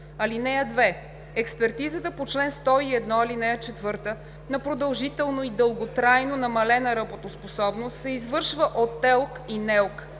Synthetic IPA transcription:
ɐlinɛjəd̪vɛ | ɛkspɛɾt̪izət̪əpot͡ʃlɛnst̪ɔiɛd̪nɔɐlinɛjət͡ʃɛt̪vɤɾt̪ə | nɐpɾod̪ɐlˠʒit̪ɛlˠnoid̪ɤlˠɡot̪ɾajnonɐmɐlɛnɐɾəbot̪osposɔbnost̪sɛizvɤɾʃvəʔot̪ːɛlˠkinɛlˠk

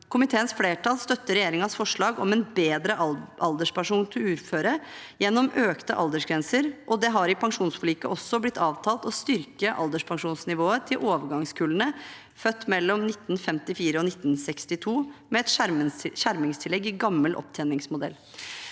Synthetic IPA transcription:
kʰʊmɪt̪ʰeːənsfleːʈɑːlst̪œt̪ːəɾɛjeːɾɪŋɑsfɔʂɭɑːɡɔmɛnbeːd̪ɾəʔɑld̪əʂpæʂuːnt̪ʰɪlʉːɾføːɾəjɛnːɔmøːkt̪əʔɑ̰ld̪əʂɡɾɛnsəɾʔɔd̪ɛɦɑɾɪpʰɑŋʂuːnsfliːkəʔɔsːɔblɪt̪ʰːɑːʋt̪ʰɑːlt̪ɔst̪ʏɾkəʔɑ̰ld̪əʂpʰɑŋʂuːnsnɪʋoːət̪ʰɪlʔoːʋəɡɑŋskʰʉːlənə | fœt̪ːmɛlːɔmnɪt̪ːnfɛmt̪ɪfiːɾəɔnɪt̪ːnsɛkst̪ɪt̪ʰuːmɛɛt̪ʃæɾmɪŋst̪ʰɪlɛɡɪɡɑmːəlʔɔ̰p̚t̪ʰɛːnɪŋsmʊd̪ɛ̰lː

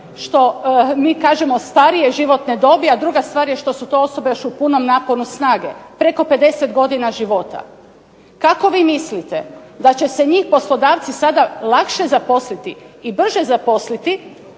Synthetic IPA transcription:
ʃt̪o̞miːkaːʒemo̞st̪aɾijeʒiʋo̞t̪ned̪o̞biad̪ɾuɡast̪ʋaːɾje̞ʃt̪o̞sut̪o̞ːoso̞bejoʃupuno̞mnaːpo̞nusnaːɡe̞̰pɾe̞ko̞pe̞d̪e̞set̪ɡo̞d̪inaʒiʋo̞t̪a̰ | kako̞ʋiːmislit̪e | d̪at͡ɕe̞se̞ɲiːxpo̞slˠo̞d̪aːʋt̪sisad̪alˠakʃezapo̞slit̪iibr̩ʒezapo̞slit̪i

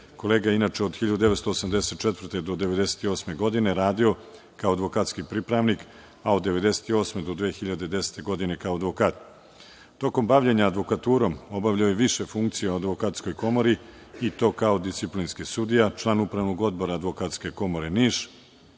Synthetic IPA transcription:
ko̞leːɡajeinat͡ʂeoxiʎad̪ud̪eet̪st̪oːsamd̪eset̪̚t͡ʃet̪vr̩t̪e̞d̪o̞d̪eʋe̞d̪e̞se̥t̪io̞ːsme̞ɡo̞d̪ine̞ɾaːd̪io̞ | kaoad̪ʋo̞kaːt̪skipɾipɾaʋnik | ao̞d̪ːe̞ʋe̞d̪e̞set̪io̞ːsmed̪o̞d̪ʋe̞ːxiʎad̪e̞d̪e̞se̥t̪e̞ɡo̞d̪ine̞kaoad̪ʋo̞kaːt̪ | t̪o̞ko̞mbaʋʎeɲaːd̪ʋo̞kat̪uːɾo̞mo̞baʋʎaojeʋiʃe̞fuŋkt̪sijeoad̪ʋo̞kat̪sko̞jko̞mo̞ɾiit̪o̞ːkao̞d̪ist̪iplinskisud̪ijat͡ʃlˠaːnupɾaʋnoɡo̞d̪bo̞ɾaːd̪ʋo̞kat̪ske̞ko̞mo̞ɾeniːʃ

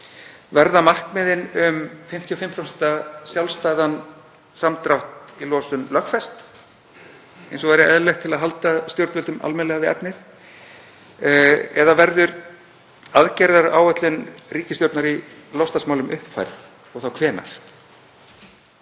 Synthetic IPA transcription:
vɛɾðamar̥kmɪðɪnʏmfɪm̥t̪ʰiɔfɪm̥t̪ʰɾawsi̥t̪asjawlst̪ajðan | samt̪ɾawht̪ilɔːsʏmlœhkfɛst̪ | ḛjnsɔvajɾɪɛðlɛjxt̪ʰɪlaðɦal̪t̪ast̪jowɾt̪vʏlt̪ʏma̰lmɛnlɛɣavɪðɛ̰pnɪθ | ɛðavɛɾðʏɾ | aðcajɾðaɾa̰ːwɛt̪lʏnriːcɪst̪jowɾt̪naɾilɔst̪asmaːwlʏmʔʏhpfa̰jɾθ | ɔɣθawkʰvɛːna̰ɾ̥

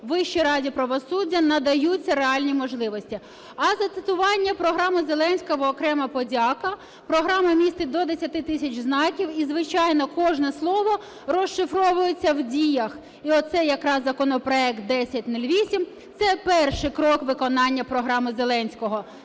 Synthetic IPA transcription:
ʋɪʃt͡ʃiɾɑdʲipɾɐʋɔsudʲːɐnɐd̪ɐjut͡sʲːɐɾeɑlʲnʲimɔʒlˠɪʋɔsʲtʲi | ɐzɐt̪ɪt̪ʊʋɑnʲːɐpɾɔɦɾɑmɪzelˠɛnʲsʲkɔɦɔːkɾɛmɐpɔdʲɑkɐ | pɾɔɦɾɑmɐmʲist̪ɪd̪ɔd̪esʲɐt̪ɪt̪ɪsʲɐt͡ʃznɑkʲiwizʋɪt͡ʃɑjnɔkɔʒnɛslˠɔʋɔ | rɔʃʃɪfɾɔʋʊjʊt͡sʲːɐwdʲijɐx | iɔt̪t̪sɛjɐkɾɑszɐkɔnɔpɾɔɛk̚t̪̚d̪ɛsʲɐt̚ʲnulʲʋʲisʲim | t̪sɛpɛrʃɪkɾɔkʋɪkɔnɑnʲːɐpɾɔɦɾɑmɪzelˠɛnʲsʲkɔɦɔ

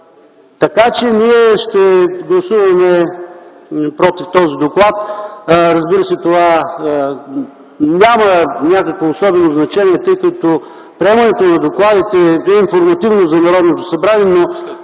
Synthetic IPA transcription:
t̪ɐkat͡ʃɛniɛʃt̪ɛɡlˠɐsuvɐmɛ | pɾɔt̪ift̪ɔzid̪oklˠat̪ɾɐzbiɾəsɛt̪ova | nʲamɐnʲakɐkvoːsɔbɛnoznɐt͡ʃɛniɛt̪əjkət̪o | pɾiɛmɐnɛt̪onɐd̪oklˠad̪it̪ɛɛinfoɾmɐt̪ivnozɐnɐɾɔd̪not̪osɐbɾaniɛno

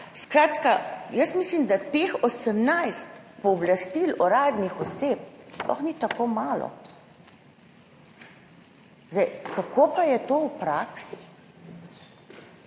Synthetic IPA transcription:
skɾaːt̪kajəsmislimd̪at̪exosəmnajst̪pɔːblast̪ilɔɾaːd̪nixɔseːp̚splɔ̰xnit̪akoːmaːlɔ̰ | zd̪ɛjkakoːpajɛt̪oːwpɾaːksi̥

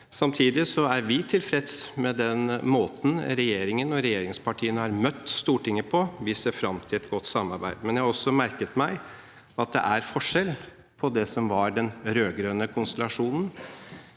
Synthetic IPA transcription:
sɑmt̪ʰiːd̪ɪsɔæɾʋɪt̪ʰɪlfɾɛd̪smɛd̪ɛnmoːt̪n̩ɾɛjeːɾɪŋənɔɾɛjeːɾɪŋspʰɑʈʰiːənəhɑɾmœt̪ːst̪uːʈɪŋːəpʰɔʋɪseːɾfɾɑmt̪ʰɪlɛt̪ɡɔt̪ːsɑmːɑɾbæ̰ɪd̪mɛnjæhɑɾɔsːɔmæɾkət̪mæɪ | ɑt̪̚d̪ɛ̰ʔæɾfɔʂɛl | pʰɔd̪ɛsɔmʋɑɾɖɛnɾøːɡɾœnəkʰʊnst̪ɛlɑʂuːnən̩

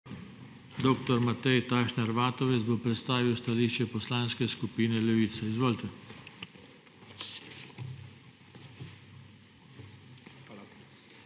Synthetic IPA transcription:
d̪oːkt̪ɔɾmat̪ɛjt̪aːʃnɛɾʋaːt̪ɔʋɛt̪bopɾɛt̪st̪aːʋiwst̪aliːʃt͡ʃɛpɔslaːnskɛskupiːnɛlɛʋiːt̪sɛizʋoːlt̪ɛ

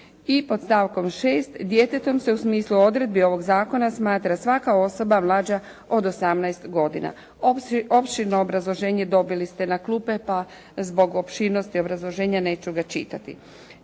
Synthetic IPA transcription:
ipo̞d̪st̪aːʋko̞mʃeːst̪d̪je̞t̪e̞t̪o̞mse̞usmiːsluo̞d̪ɾe̞d̪bio̞ʋo̞ɡzaːko̞nasmaːt̪ɾasʋakao̞so̞bamlˠaːd͡ʑa | o̞d̪o̞samnajst̪ɡo̞d̪ina̰ | opʃiɾnoːbɾazlˠo̞ʒe̞ːɲed̪o̞bilist̪enakluːpe̞pa | zbo̞ɡo̞pʃiɾno̞st̪io̞bɾazlˠo̞ʒe̞ːɲane̞ːt͡ʃuɡat͡ʃḭt̪at̪ḭ

